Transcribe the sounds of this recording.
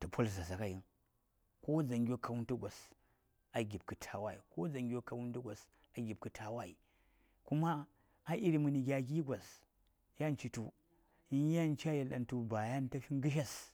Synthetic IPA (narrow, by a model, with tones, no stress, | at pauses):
tu˨pʰo˦lsa˨s̬a˨ka˦ji˦n | ko˦d͡za˨ŋɡʲo˦kʰa˨wu˦ntu˦ɡʷa˨s | a˨ɡʲi˨b̚kɨ˨tʰa˨wa˦i˨ko˦d͡za˨ŋɡʲo˦kːa˨wu˦n˦tu˦ɡʷa˨s | a˨ɡʲi˨b̚kɨ˨tʰa˨wa˦i˨ | ku˦maː˦ | ʔi˦ɾi˨mɨ˨ni˨ɡʲa˨ɡʲi˦ɡʷa˨s | ja˦n˦t͡ʃi˨tu˨ | i˦ja˦˨n˦t͡ʃi˦a˦je˨la̰˨ntu˨ba˨ja˦n˦ta˦fi˦ŋ˦ɡɨ˦ʃ̬a˦s